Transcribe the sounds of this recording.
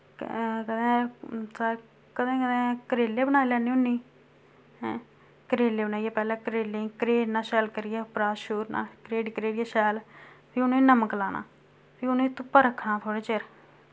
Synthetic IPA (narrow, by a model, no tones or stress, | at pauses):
kəd̪ẽːsəɾ | kəd̪ẽːkəd̪ẽːkəɾeːlːeːbəñaːiːlɛːneːʊnːĩː | kəɾeːlːeːbənaːijɛːpɛːlɛ̃ːkəɾeːlẽkəɾeːɖnãːʃɛːlkəɾɪjɛːpɾaːʃuːɾnã̰ːkɾeːɖkɾeːɖɪjːʃɛːlpʰiːʊnẽːnəməklaːna̰ː | pʰiːʊnẽːt̪ʊpːaːɾəkʰːnãːt̪ʰoːɽeːt͡ʃeɾ